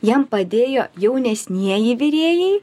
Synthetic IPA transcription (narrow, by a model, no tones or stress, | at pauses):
jɛmpɐd̪ʲeːjoːjɛʊnʲɛsʲnʲiɛjɪʋʲɪɾʲeːjɛɪ